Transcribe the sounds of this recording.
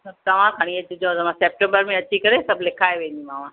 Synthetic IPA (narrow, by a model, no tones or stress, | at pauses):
sɐb̚t̪ɐʋ̤ãkʰaːɽ̃iɐt͡ɕɪd͡ʑõt̪ɐmãseːp̚ʈẽmbəɾmẽɐt͡ɕikɐɾesɐbʱlɪkʰaːeʋẽːn̆d̪imaːmã